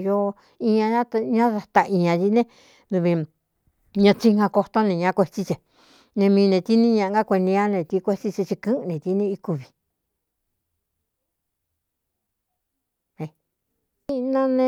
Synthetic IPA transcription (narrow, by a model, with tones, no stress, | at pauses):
jo˧ | ĩ˧ɲã˧ã˦t̪ɲã˦ða˧t̪a˧ĩ˧ɲã˧ji˧nẽ˦ | d̪u˧βi˧ | ɲã˧t͡ʃi˧ŋã˧ko˧t̪o˦nẽ˧ɲã˧˦˧kʷe˧t͡ʃi˧t͡ʃe˨ | nẽ˧mĩː˧nẽ˧t̪i˦nĩ˦ɲã˧ʔɡa˦˧kʷe˧nĩ˧a˦nẽ˧t̪i˧kʷe˦˧t͡ʃi˧t͡ʃi˧t͡ʃi˧kɨ̃˦˧nẽ˨t̪i˧˦nĩ˧i˧ku˧βi̥˨ | ẽ˧ | i˦˧nã˦nẽ˦˧